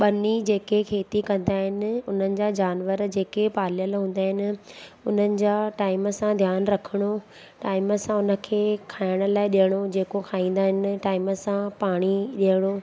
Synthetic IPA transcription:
ɓɐnid͡ʑeːkekʰeːt̪ikɐ̃nd̪aːɦɪnɪ̆ʊn̤ənɪ̆d͡ʑad͡ʑaːnʋəɾd͡ʑeːkepaːljəlɦũːn̆d̪aːɦɪnɪ̆ | ʊn̤ənɪ̆d͡ʑaːʈaːɪməsãd̪ʱjaːnɾɐkʰəɽ̃o | ʈaːɪməsãʊnə̆kʰeːkʰaːɪɽ̃ə̆laːɪɗijəɽ̃od͡ʑeːkokʰaːĩːn̆d̪aːɦɪnɪ̆ʈaːɪməsãpaːɽ̃iɗiəɽ̃o

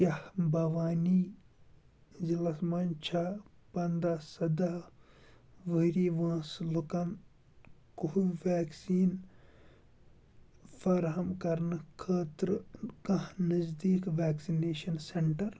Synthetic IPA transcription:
jɐhbɐʋaːniː | zilɐsmɐnt͡ʃʰapɐnd̪aːsɐd̪aː | ʋəɾiːʋãːslukɐn | kuɦuʋaːksiːn | fɐɾɦɐmkɐɾnɨkʰɐːt̪ɾkɐ̃ɦnɐzd̪iːkʋaːksineːʃɐnseɳʈɐɾ

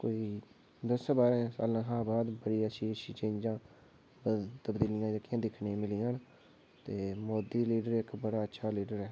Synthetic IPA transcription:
koːiː | d̪əsabaːɾɛ̃ːsa̰ːlãːɦãːbaːd̪bəɽiːəʃiːəʃiːt͡ʃẽːɲd͡ʒãː | bət̪əbd̪iːlɪjãːd͡ʒəkɪjãːd̪ɪkʰnẽːmɪliːãːn | t̪eːmoːd̪iːliːɖəɾɪkbəɽaːətːʃʰaːliːɖəɾɛː

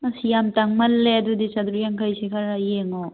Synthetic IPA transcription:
ɐsijamtaŋmɐlːeɐdudisad̪ɾujaŋkʰajsikʰaɾajeŋɔ

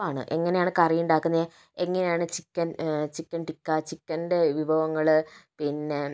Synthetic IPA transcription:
aːɳɨ̰ʔe̞ŋːɐnejaːɳɨkɐrijuɳɖaːkːunːɐðe | e̞ŋːɐnejaːɳɨt͡ɕikʲːɐnt͡ɕikʲːɐnʈikːɐt͡ɕikʲːɐnɖeʋibʱɐʋɐŋːɐɭpinːe

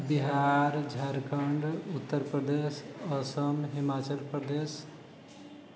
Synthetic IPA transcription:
biɦaɾd͡ʒʱaɾkəɳɖut̪ːəɾpɾəd̪esəsəmɦimat͡ʃəlpɾəd̪es

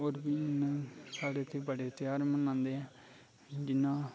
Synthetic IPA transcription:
oːɾbiːnasaːɽeːt̪ʰeːbəɽeːt̪jaːɾmənãːnd̪eːɛ̃ː | d͡ʒɪnːãː

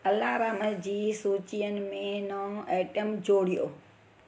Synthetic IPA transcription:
əlːaːbaːməɾd͡ʒiːsuːt͡ʃijənmẽnaeːʈəmd͡ʒoːɽijo̰ː

